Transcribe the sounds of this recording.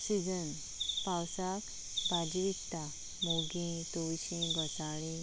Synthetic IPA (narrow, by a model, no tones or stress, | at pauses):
sid͡zən | pawsak | bad͡ʑiʋit̪ːa | moɡĩt̪ojɕĩbəsaɭĩ